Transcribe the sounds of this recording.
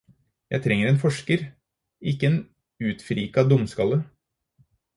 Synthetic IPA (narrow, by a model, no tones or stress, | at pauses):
jæ̰ɪt̪ʰɾɛŋːəɾeːnfɔʂkəɾ | ɪkːəeːn | ʉːt̪fɾiːkɑd̪ʊmskɑlːə